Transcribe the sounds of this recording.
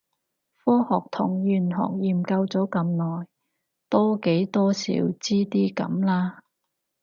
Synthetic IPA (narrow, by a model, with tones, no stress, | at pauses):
fɔː˥hɔː˨˩k̚t̪ʰʊ̰˨˩ŋjyː˨˩nɦɔ̰ː˨k̚jiː˨˩mkɐ˧wt͡sɔː˨˥kɐ˨˧mnɔː˨j | t̪ɔː˥ke˨˥jt̪ɔː˥sḭː˨˥wt͡siː˥t̪iː˥kɐ̰˨˧˥mlaː˥